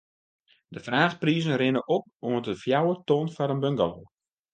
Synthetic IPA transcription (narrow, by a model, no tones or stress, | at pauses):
dəfraːχpriːzənrɪnəʔop̚ | oətəfjawətonfɔɾənbəŋɡəlo